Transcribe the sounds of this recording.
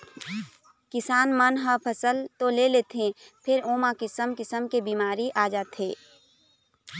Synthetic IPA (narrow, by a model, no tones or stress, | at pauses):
kɪsaːnmənɦəpʰəsəlt̪oleleːt̪ẽpʰɪɾoːmakɪsəmkɪsəmkebiːmaːɾiʔaːd͡ʒaːt̪ʰeː